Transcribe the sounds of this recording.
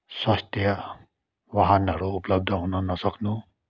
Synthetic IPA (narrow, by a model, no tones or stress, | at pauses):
sʌst̪jʌ | waɦanʌɾuːplʌb̚d̪ʱʌɦunʌnʌsʌknu